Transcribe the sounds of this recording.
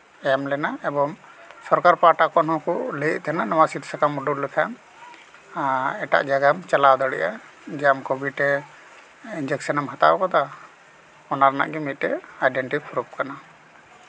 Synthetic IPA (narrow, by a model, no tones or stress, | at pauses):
ɛamlɛnaɛbɔmsɔɾkaɾpaʈakɔnhɔ̃kuʔleʔ̚t̪ʰɛnanɔwasit̪sakamuɖullɛkʰam | ɛʈa̰ʔd͡ʒaɡamt͡ʃalawd̪əɽɛ̰ʔa | d͡ʒɛamkɔbʱiʈɛ | ind͡ʒɛk̚sənɔmɦat̪a̰ʔɔkad̪a | ɔnaɾana̰ʔɡɛmit̪̚ʈɛajɖɛɳʈipʰɾup̚kana